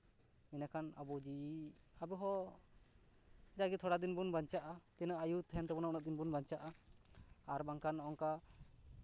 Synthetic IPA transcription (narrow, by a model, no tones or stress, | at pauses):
inakʰana̰bɔd͡ʒiabɛɦɔ | d͡ʒaɡit̪ʰɔɽad̪inbunbaɲt͡ʃaʔat̪ɛnaʔajut̪ʰɛnt̪ɛbɔnaɔnaʔ̚d̪inbunbaɲt͡ʃaʔaː | ɾbaŋkanɔŋka